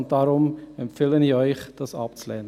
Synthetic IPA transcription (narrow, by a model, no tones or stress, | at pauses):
nt̚d̥ɑːɾʊmɛmpfɪləniœʏxd̥ɑsɑ̰p̚t͡slɛːnə